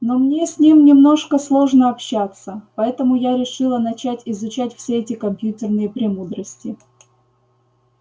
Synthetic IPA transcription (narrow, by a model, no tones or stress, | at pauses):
no̞mnʲesʲnʲimnʲɪmno̞ʂkəslˠo̞ʐnəɐpɕːat̪səpɐɛt̪əmʊjaɾʲɪʂɨlˠənɐt͡ɕætʲɪzʊt͡ɕætʲfsʲeɛtʲɪkɐmpʲjutʲɪrnɨjəpɾʲɪmud̪ɾəsʲtʲɪ